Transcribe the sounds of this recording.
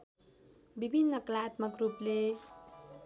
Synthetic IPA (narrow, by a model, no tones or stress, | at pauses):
bibʱinːʌklat̪mʌkruple